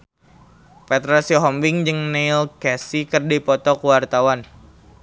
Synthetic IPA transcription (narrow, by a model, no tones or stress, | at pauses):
pɛt̪ɾasiɔɦɔmbɪŋd͡ʒɨŋnelkɛsikərdipɔt̪ɔkuwart̪awan